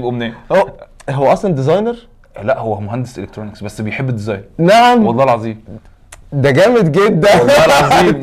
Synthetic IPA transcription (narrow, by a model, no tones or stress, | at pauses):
bʔomneːhoɦowæʔɑsˤlɑnd̪ezɑjneɾ | læʔhowːæmoɦænd̪esʔelekt̪ɾoneksbæsːbejħebːed̪ːezɑ̰jnɾnaʕamwɑlːˤɑːelʕɑzˤiːm | d̪æɡæːmed̪ɡed̪ːælːɑːelʕɑziːm